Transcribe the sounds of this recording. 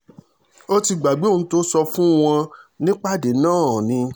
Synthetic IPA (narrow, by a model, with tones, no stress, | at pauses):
o˦ti˧ɡ͡ba˨ɡ͡be˨˦˨ũ˨˦to˦sɔ˧fũ˦w̃ɔ̃˧nĩ˦k͡pa˦˨de˨nãː˦˨nĩ˧